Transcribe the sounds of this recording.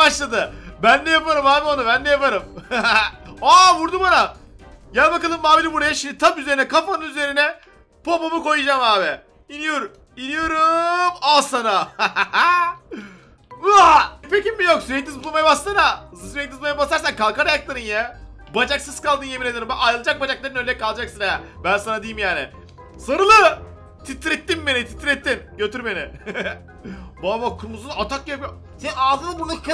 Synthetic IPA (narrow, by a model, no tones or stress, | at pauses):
aʃlˠad̪ɯbænd̪ɛjapaɾɯmaːbionabænd̪ɛjapaɾɯm | abuɾd̪ubanajanbakalˠɯmːaːbilʲibuɾajaʃimd̪it̪ʰapyze̞ɾinɛkʰafanɯnyze̞ɾinɛ | pʰo̞pomuko̞jɯd͡ʒamaːbɛ | inijo̞ɾ | inijo̞ɾumasana | pecimːijoksyɾɛt̪ːizbulˠmajabast̪ɯnasyɾɛt̪̚d̪izmajabast̪aɾsankalˠkaɾajaklˠaɾɯnjɛ | bad͡ʒaksɯskalˠd̪ɯnjɛbiɾeeɾɯmbæajɾɯlˠɯd͡ʒak̚bad͡ʒaklˠaɾɯnølʲɛkalˠd͡ʒaksɯnjɛbænsanad̪ejimjaːnɪ | soɾɯlˠɯ | t̪ʰit̪ɾɛt̪ːimbenit̪ʰi̥t̪ɾɛt̪ːimɟø̞t̪ʰyɾme̞nɪ | babakʰɯmuzunat̪ʰak̚ːapjo | sennaːzɯnɯbunak